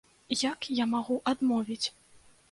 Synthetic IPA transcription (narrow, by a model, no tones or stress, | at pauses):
jakjamaɣuʔad̪mɔvʲit͡sʲ